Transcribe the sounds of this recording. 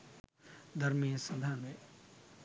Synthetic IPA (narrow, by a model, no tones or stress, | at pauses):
d̪ɐɾmisɐd̪ʱaːne